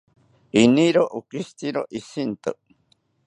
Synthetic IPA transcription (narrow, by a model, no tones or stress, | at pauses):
iniɾoʔukist̪iɾoʔisint̪o̰